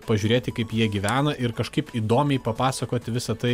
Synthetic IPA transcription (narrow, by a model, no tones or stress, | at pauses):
pɐʒʲuːɾʲeːt̪ʲɪkɐɪpjiɛɡʲiʋʲæːnɐʔɪɾkɐʃkɐɪpiːd̪oːmʲɛɪpɐpɑːsɐkoːt̪ʲɪʋʲɪsɐt̪ɐɪ